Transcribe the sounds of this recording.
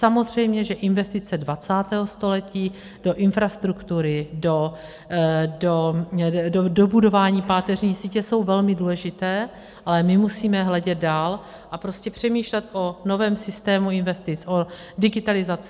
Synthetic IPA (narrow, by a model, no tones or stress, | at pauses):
samo̞zr̝ɛjmɲɛʒɛʔɪnvɛst̪ɪt͡sɛdvat͡saːt̪ɛːɦost̪o̞lɛciː | d̥o̞ʔɪnfɾast̪ɾukt̪uɾɪdo | do | odobudo̞vaːɲiːpaːt̪ɛr̝ɲiːsiːcɛso̞wvɛlmɪduːlɛʒɪt̪ɛː | ʔalɛmɪmusiːmɛɦlɛɟɛd̪̚daːl | ʔapɾo̞scɛpr̝̥ɛmiːʃlɛt̪ʔo̞no̞vɛːmsɪst̪ɛːmuɪnvɛst̪ɪt͡sʔo | dɪɡɪt̪alɪzat͡s